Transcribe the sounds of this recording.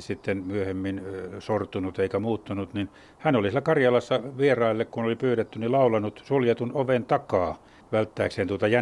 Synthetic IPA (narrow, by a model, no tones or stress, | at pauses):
sit̪ːenmyøhemːinsort̪unut̪eikæmuːt̪ːunut̪nin | hænolisilːækɑrjɑlɑsːɑʋierɑilːekkunolipyːret̪ːynilɑulɑnːut̪suljet̪unoʋent̪ɑkɑː | ʋælt̪ːæːksent̪uot̪ɑjæ